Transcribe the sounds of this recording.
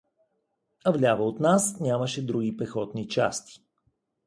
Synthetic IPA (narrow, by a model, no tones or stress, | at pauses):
ɐvlʲavəot̪nasnʲaməʃɛd̪ɾuɡʲipɛxɔt̪nit͡ʃa̰st̪i̥